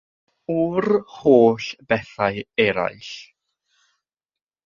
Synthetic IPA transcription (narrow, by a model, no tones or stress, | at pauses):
urhoːɬb̥ɛθaɨɛɾa̰jɬ